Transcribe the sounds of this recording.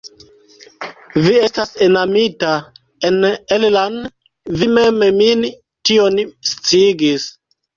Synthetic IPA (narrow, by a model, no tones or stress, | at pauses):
vie̞stasenamita | enelland | vimememin | tionst͡siiɡis